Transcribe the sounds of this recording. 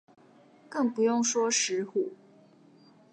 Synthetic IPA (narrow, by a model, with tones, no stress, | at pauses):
kɤ˥˩ŋpu˧˦jʊ˥˨ŋʂwɔ˥ʂɻ̩˨˧˥xu˨˩